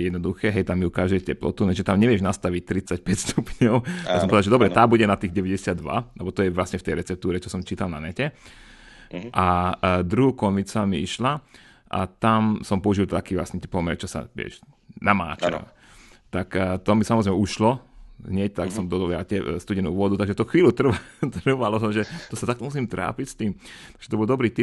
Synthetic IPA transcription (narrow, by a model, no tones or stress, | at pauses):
jɛd̪nɔd̪uxɛːɦɛjt̪amjukaʒd̪ɛjcɛplɔ̰t̪ulɛʒɛt̪amɲɛʋɪɛʒnast̪aʋic̚t̪ɾit͡sac̚pɛcst̪ʰupɲɔʊasɔmpɔʋɛd̪alʒɛd̪ɔbɾɛt̪aːbuɟɛnat̪iːɣɟɛʋɛɟɛsɪad̪ːʋa̰lɛbɔt̪ɔjɛʋlasɲɛft̪ɛjɾɛt͡sɛp̚t̪uːɾɛt͡ʃɔsɔmt͡ʃiːt̪alnanɛcɛ | ʔad̪ɾuɦuːkɔnit͡samiiʃla | ʔa̰t̪amsɔmpɔuʒilt̪akiːʋla̰sɲɛt̪ɛpɔmɛɾɛt͡ʃɔsa̰ʋɪɛ̰ʃ | nama̰ːt͡ʃa̰ | t̪akt̪ɔmisamɔzɾɛmɛuʃlɔɦɲɛc̚t̪aksɔmd̪ɔd̪ɔlja̰t̪ɛst̪uɟɛnṵːʋɔd̪ut̪aɡʒɛt̪ɔxʋiːlut̪r̩ʋat̪ɾʋalɔt̪ɔmʒɛt̪ɔsat̪ak̚t̪ɔmusiːmt̪ɾa̰ːpicst̪iːmt̪aɡʒ̥ɛt̪ɔbɔlˠd̪ɔbɾiːt̪i